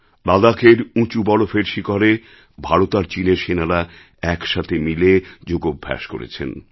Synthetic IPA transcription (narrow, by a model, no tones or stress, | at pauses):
lad̪akʰeɾũt͡ɕubɔlofeɾʃikaɾe | bʱaɾot̪aɾt͡ɕineɾʃenaɾa | ɛkʃat̪ʰemiled͡ʑoɡobʱːɛ̰ʃko̰ɾḛt͡ɕʰḛn